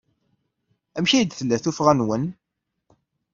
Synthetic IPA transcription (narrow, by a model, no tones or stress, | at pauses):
æmçijəd̪θəlːæθufʁænwən